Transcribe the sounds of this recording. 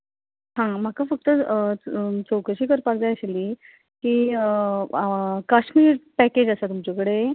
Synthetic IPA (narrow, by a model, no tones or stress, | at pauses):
ɦãm̤akafək̚t̪ə | t͡sowkəɕiːkəɾpaɾd͡zajəɕeliː | kiː | kaɕmiːɾpæked͡ʑəsat̪umt͡ɕokəɽe